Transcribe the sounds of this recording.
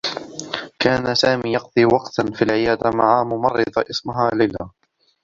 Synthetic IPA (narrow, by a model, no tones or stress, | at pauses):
kaːnasaːmiːjɑq̚d̪ˤiːwɑqt̪afilʕɪjaːd̪amaʕaːmʊmɑrˤːɨd̪ˤʔɪsmʊɦaːlajlaː